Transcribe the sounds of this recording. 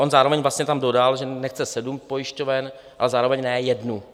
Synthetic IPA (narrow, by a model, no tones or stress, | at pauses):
ʔonzaːɾovɛɲvlast̪ɲɛt̪amdo̞dalʒɛnɛxt͡sɛsɛdumpo̞jɪʃcovɛn | ʔalɛzaːɾovɛɲnɛːjɛdnu